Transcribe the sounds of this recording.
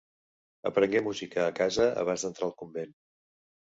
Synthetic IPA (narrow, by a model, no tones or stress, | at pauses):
ə̰pɾəŋɡɛmuzikəːkazəə̰β̞anzðənt̪ɾalˠkumben